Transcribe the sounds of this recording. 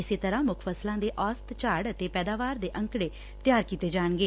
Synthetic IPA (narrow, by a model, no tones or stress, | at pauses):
ɪseːt̪əɾãːmʊkʰfəslãːd̪eːʔɔːst̪t͡ʃaːɽət̪eːpɛːd̪aːʋaːɾd̪eːʔə̃ŋkɽeː | t̪ɪjaːɾkiːt̪eːd͡ʒaːɳɡeː